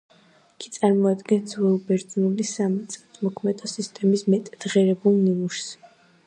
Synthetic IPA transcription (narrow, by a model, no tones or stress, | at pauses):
iɡ̥ʰit̪sʼaɾmɔad̪ɡɛnzvɛlˠbɛɾt̪ʼnulisamit̪sʼɛt̪ʰmɔkʰmɛd̪ɔsist̪ʼɛmismɛt̪ʼd̪̥ʁɛɾɛbulˠninuʃs